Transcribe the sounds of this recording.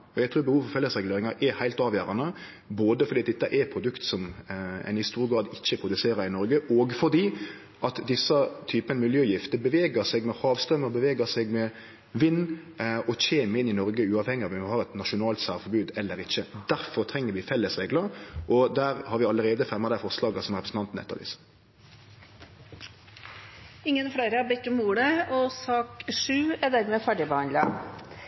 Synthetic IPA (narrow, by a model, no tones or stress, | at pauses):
ɔjæɡt̪ʰɾuːɾbəhuːʋfɔɾfɛlːəsɾɛɡleːɾɪŋɑɾʔɛhæɪlt̪ɑːʋjøːɾɑnə | boːd̪əfɔɾd̪iːt̪ɛt̪ːəʔɛɾpʰɾʊd̪ʉkt̪sɔmɛ̰nhɪst̪uːɾɡɾɑːd̪ɪçːəpʰɾʊd̪ʉseːɾɑɾɪnɔɾɡəʔɔɡfɔɾd̪iː | ʔɑt̪d̪ɪsːət̪ʰyːpənəmɪljøːjɪft̪əbəʋeːɡəɾsɛɡmɛhɑːʋst̪ɾœməbəʋeːɡəsɛɡmɛ | ʋɪnː | ɔc͡çeːməɪnɪnɔɾɡəʉːɑːʋhɛŋːɪɑʋɛmɔhɑːʁɛt̪nɑʃʊnɑːlt̪sæːʁfɔbʉːd̪ɛlːəɾɪçːəd̪æɾfɔɾt̪ʰɾɛŋːəɾʋɪfɛlːəsʁeːɡləʔɔd̪æːɾhɑɾʋɪɑləɾeːd̪əfɛmɑd̪æɪfɔʁslɑːɡəsɔmʁɛpɾəsn̩t̪ɑnt̪n̩ʔɛt̪ːə̰ʋḭːs | ɪŋːənfɽeːɾəɑbɛkːəmuːɽəɔsɑːkʂʉːæd̪æɾmeːfæɖɪbɛhɑnd̪lɑ